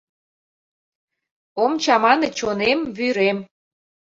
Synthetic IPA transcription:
omt͡ɕɑmɑnɤt͡ɕonemβyɾem

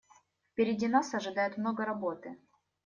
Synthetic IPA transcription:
fpʲɪɾʲɪdʲinasɐʐɨd̪ajʊt̪mnoɡəɾɐbo̞t̪ɨ

